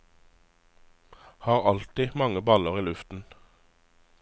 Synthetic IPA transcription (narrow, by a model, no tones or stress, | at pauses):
hɑːʁɑlt̪iːmɑŋəbɑləʁiːlʉft̪n̩